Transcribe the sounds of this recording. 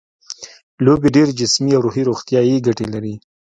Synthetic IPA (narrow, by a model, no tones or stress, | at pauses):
lobiɖeɾd͡ʒɪsmiawɾuɦiɾoxt̪jɑjeɡaʈelaɾi